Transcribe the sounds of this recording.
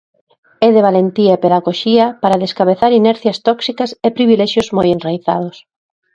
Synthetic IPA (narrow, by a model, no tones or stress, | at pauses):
ɛðeβ̞alent̪iɐepeðaɣoʃiɐpaɾaðeskaβeθaɾinɛɾθjɐst̪ɔksikɐsepɾiβilɛʃjozmojenrajθa̰ðʊs